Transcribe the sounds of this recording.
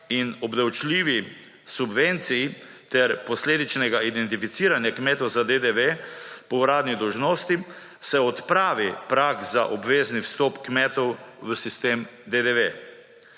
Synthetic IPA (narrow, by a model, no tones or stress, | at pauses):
inɔbd̪awt͡ʃliːʋi | subʋent̪sijit̪ɛɾpɔsleːd̪it͡ʃnɛɡaid̪ɛnt̪ifit̪siːɾanjakmɛːt̪ɔwzad̪ed̪eʋepɔwɾaːd̪nid̪ɔwʒnoːst̪i | sɛɔt̪pɾaːʋipɾakzaʔɔbʋeːzniwst̪ɔpkmɛt̪ɔwʋəsist̪eːmd̪ed̪eʋe